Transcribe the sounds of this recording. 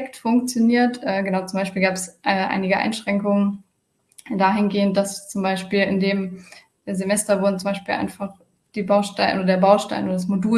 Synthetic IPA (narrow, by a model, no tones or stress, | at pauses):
ɛktfʊŋkt͡sjoniːɐtʔɛːɡənaʊt͡sʊmbaɪʃpiːlɡaːpɛsʔɛːʔa̰ɪnɪɡəʔa̰ɪnʃʁ̥ɛŋkʊŋən | daːɦɪnɡeːənt̚d̥ast͡sʊmbaɪʃpiːlɪndeːmː | zemɛstɐvʊɐdn̩t͡sʊmbaɪʃpiːlʔa̰ɪnfaχ | d̥iːbaʊʃtaɪnoːdɐdeːɐbaʊʃta̰ɪnoːdɐdasmoduː